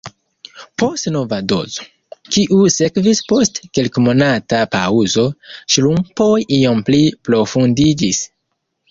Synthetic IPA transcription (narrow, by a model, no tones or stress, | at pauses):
po̞stno̞vado̞̰zo̥ | kiʔuse̞kvispo̞stkelkmo̞natapa̰uzo̞ʃlumpo̞jio̞mplipɾo̞fundid͡ʒis